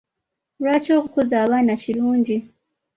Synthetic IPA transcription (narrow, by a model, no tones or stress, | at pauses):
lwaːco̞ːkukozaːβaːnaciɾuːɲɟi